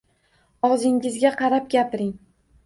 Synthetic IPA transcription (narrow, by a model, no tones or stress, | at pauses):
ɒʁzɪŋɪzɡʲaqʰɑɾap̚ɡʲapɪɾɪŋ